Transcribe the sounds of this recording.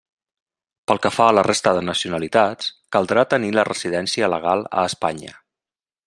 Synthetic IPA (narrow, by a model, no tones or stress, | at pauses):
pəlˠkəfaələrest̪əðənəsiunəlit̪at͡skəlˠd̪ɾat̪ənilərəziðɛnsiələ̰ɣ̞alˠə̰ːspaɲə̰